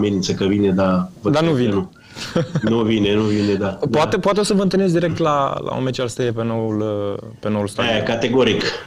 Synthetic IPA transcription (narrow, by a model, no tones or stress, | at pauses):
menint̪səkəvined̪avəd̪anuvinenu | nuvinenuvined̪apoat̪epowat̪eo̞səvənt̪ɨlnez̬d̪iɾe̞k̚t̪lala̰o̰met͡ʃalst̪ejepenowulpeno̞wulst̪aekat̪eɡoɾik